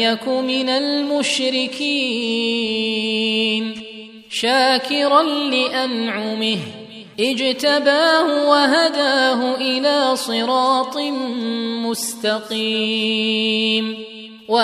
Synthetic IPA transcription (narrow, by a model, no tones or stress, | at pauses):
akʊmɪnalmʊʃɾɪkʰiː | n | ʃaːkɪɾanlɪʔanʕʊmɪh | ʔɪd͡ʒt̪abaːhʊwaɦad̪aːɦʊʔɪlaːsˤɨɾɑːt̪ˤɨ | mʊst̪ɑqi | n | wa